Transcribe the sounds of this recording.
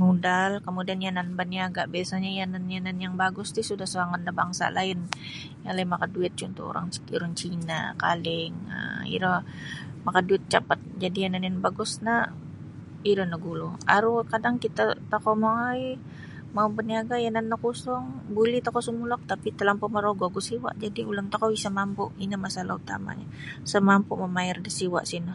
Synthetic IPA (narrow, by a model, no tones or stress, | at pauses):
mudalkəmudianjananbəniaɡaʔbiasaɲajananjananjaŋbaɡʊst̪ʊsudahsoɾaŋandaba̰ŋsa̰la̰ɪn | jaŋlaɪnmakaduɪt̪̚t͡ʃunt̪ɔ̰o̰ɾa̰ŋuɾaŋt͡ʃina̰ka̰lɪŋə̰ḭɾɔmakaduɪt̪̚t͡ʃapat̪̚d͡ʒadijananjanbaɡʊsna | iɾɔnaɡulɔaɾukadaŋkit̪at̪akɔʔmaai | maupəniaɡajananːakusʊŋbulit̪akɔsumulɔk̚t̪apit̪əlampɔʔmaɾoɡoɡɔsiwa̰ʔd͡ʒadiulənt̪akoisamampʊʔinamasalaut̪a̰ma̰ɲa̰ | səmampʊʔməmaɪrdasiwa̰ʔsinɔ